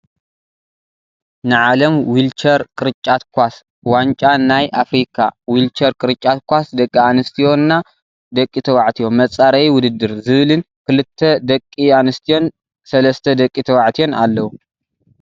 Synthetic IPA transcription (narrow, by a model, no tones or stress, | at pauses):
nɨʕalɐmwilt͡ʃɐɾkʼɨɾɨt͡ʃʼːat̪kʰʷas | want͡ʃʼanajʔafɾikʰawilt͡ʃʰɐɾkʼɨɾɨt͡ʃʼːat̪kʷasd̪ɐkʼːianɨst̪ʰijo̞nːa | d̪ɐkʼːit̪ʰɐwaʕt̪ʰijo̞mːɐt͡sʼaɾɐjwʊd̪ɨd̪ːɨɾzɨβɨlɨn | kʰɨlɨt̪ʰːɐd̪ɐkʼːianɨst̪ʰijo̞n | sɐlɐst̪ʰɐd̪ɐkʼit̪ʰɐwaʕt̪ʰijo̞nalːɐwu